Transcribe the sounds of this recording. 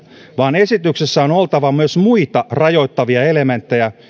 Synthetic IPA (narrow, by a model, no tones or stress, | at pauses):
ʋɑːne̞sit̪yksesːæono̞lt̪ɑʋɑmyøsmuit̪ɑrɑjo̞it̪ːɑʋiɑe̞le̞ment̪ːe̞jæ